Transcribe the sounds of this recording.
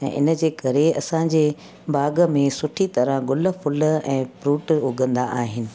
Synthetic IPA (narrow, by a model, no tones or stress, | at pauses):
ɛ̰̃ːʔɪ̰nə̆d͡ʑeːkɐɾeɐ̰sãd͡ʑeː | baːɡə̆mẽsʊʈʰit̪ɐɾə̃ɦɡʊlə̆fʰʊlɛ̃ːpɾuːʈʊɡʱə̃nd̪aʔaːɦɪnɪ̆